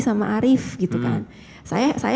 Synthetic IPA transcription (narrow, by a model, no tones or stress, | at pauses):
samaʔaɾɪfɡit̪uka̰n | sa̰jasa̰j